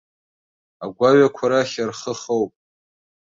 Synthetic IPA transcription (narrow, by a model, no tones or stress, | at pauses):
aɡʷaɥakʷʰaɾaχʲarχəχowpʼ